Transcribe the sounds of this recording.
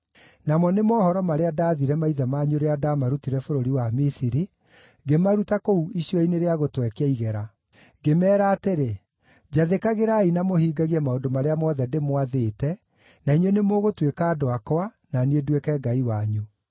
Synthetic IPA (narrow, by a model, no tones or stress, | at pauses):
namɔnemɔːhɔɾɔmaɾeadaðiɾɛmaiðamaɲoɾeadamaɾutiɾɛfoɾoɾiwamisiɾi | ɡemaɾutakouiɕiɔineɾeaɣotwɛkeɛiɣɛɾa | ɡemɛːɾaːteɾe | d͡ʑaðekaɣeɾainamohiːɡaɣiɛmaodomaɾeamɔðɛdemwaðeːtɛ | naiɲwenemoɣotwekaːdoakɔa | nanedwekɛɡaiwaɲu